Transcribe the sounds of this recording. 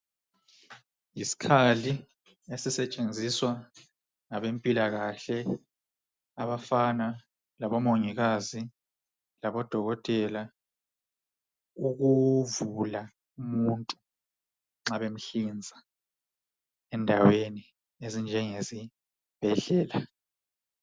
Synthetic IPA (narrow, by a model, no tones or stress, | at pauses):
jisi̥kʰali | esisɛt͡ʃʼend͡zʱiswa | ŋaβempʼilaɣaɬɛ | aβafana | laβɔmoŋiɣazi | laβɔd̥ʱɔɣɔtʼɛla | uɣuvula | umuntʼu | ŋ͡ǁaβem̩ɬind͡zʱa | ɛndʱaweni | ezind͡ʒʱɛŋezi | b̥ʱɛɮɛːla